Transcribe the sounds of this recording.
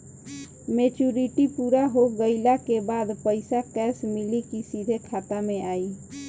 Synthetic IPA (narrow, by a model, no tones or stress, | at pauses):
met͡ʃuɾiʈipuːɾaɦoɡəɪlakebad̪pəɪsakɛːsmilikisid̪ʱekʰat̪amẽaːi